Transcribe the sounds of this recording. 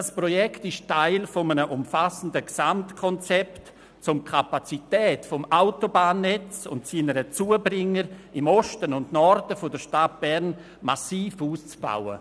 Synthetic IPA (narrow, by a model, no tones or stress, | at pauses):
asprɔjɛktɪʃtaɪlfɔmənəʔʊmfasən̩dəksamtkʰɔnt͡sɛpt | t͡sʊmkʰapat͡sitɛːtfɔmaʊtobaːnːɛt͡sʊ̰ntsiːnəɾət͡suːəbɾɪŋːəɾɪmɔʃtənʊndnɔrdəfɔdəɾʃtat̚b̥ɛɾn | masiːfuːst͡sb̥a̰wə̰